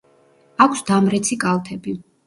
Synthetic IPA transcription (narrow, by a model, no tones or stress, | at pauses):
akʷʰsd̪amɾɛt̪sʰikʼalˠt̪ʰɛbi